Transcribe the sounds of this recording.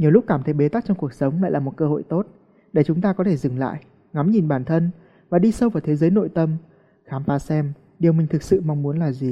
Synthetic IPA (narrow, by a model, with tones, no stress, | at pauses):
ɲi˨˩əwlʊ˦˥k͡p̚kaː˧˩mt̪ʰə˨˦jɓe˨˦t̪a˦˥k̚t͡ɕɔ˧wŋ͡mku˨˩ək̚sə˨˦wŋ͡mla̰˧˨laː˨˩mo˨˩t̚kəː˧ho̰˧˨jt̪o˦˥t̚ | ɗe˧˩t͡ɕʊ˨˦ŋ͡mt̪aː˧kɔ˨˦t̪ʰe˧˩zɨ˨˩ŋla̰ː˧˨jʔ | ŋa˨˦mɲi˨˩nɓaː˧˩nt̪ʰə˧n | vaː˨˩ɗi˧sə˧wvaː˨˩wt̪ʰe˨˦zəː˨˦jno̰˧˨jt̪ə˧m | xaː˨˦mfaː˨˦sɛ˧m | ɗi˨˩əwmï˨˩ŋ̟t̪ʰɨ˨˩k̚sɨ̰˧˨ma˧wŋ͡mmu˨˦ənlaː˨˩zi˨˩